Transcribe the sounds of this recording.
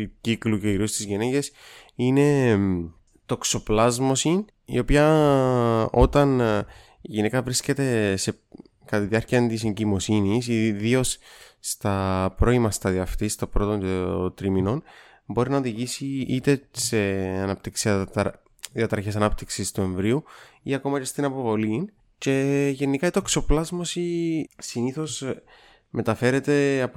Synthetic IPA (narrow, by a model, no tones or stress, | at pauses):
ucikluceiɾiost̪izʝeneɟesine̞ | t̪o̞kso̞plɐzmo̞sin | ḭo̞piɐ | ot̪ɐn | iʝinekɐvɾisce̞t̪e̞se̞ | kɐt̪iðiɐɾciɐnt̪is̬eɲɟimo̞sinis̬iðio̞sst̪ɐpɾo̞imɐst̪ɐðiɐft̪ist̪obɾo̞t̪o̞nt̪ɾimino̞n | bo̞ɾinɐoðiʝisiit̪e̞se̞ɐnɐp̚t̪iksiɐ | ðiɐt̪ɾɐçe̞sɐnɐpt̪iksist̪ue̞ɱvɾiuiɐko̞mɐce̞st̪inɐpo̞vo̞lin | ce̞ʝe̞nːikɐit̪okso̞plɐzmo̞sisiniθo̞s | me̞t̪ɐfe̞ɾe̞t̪e̞ɐp